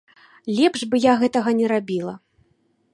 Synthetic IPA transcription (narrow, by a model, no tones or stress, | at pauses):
lʲɛpʂbɨjaɣɛt̪ɐɣɐnʲɛɾabʲilˠɐ